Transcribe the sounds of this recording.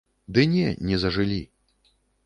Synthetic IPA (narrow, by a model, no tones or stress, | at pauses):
d̪ɨnʲɛnʲɛzɐʐɨlʲi